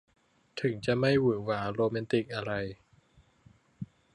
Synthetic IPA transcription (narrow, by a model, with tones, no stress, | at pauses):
t̪ʰɯ˩˦ŋt͡ɕa˨˩ma˥˩jwɯː˩˦waː˩˦ɾoː˧mɛː˧nt̪i˨˩k̚ʔa˧ɾa˧j